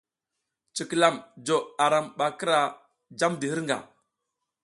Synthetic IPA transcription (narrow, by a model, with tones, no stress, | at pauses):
t͡ʃi˨kə˨la˦˨md͡ʒo˨a˨ɾa˨mɓa˨kə˦ɾa˨ | d͡ʒa˦mdə˨hi˦ɾŋɡa̰˨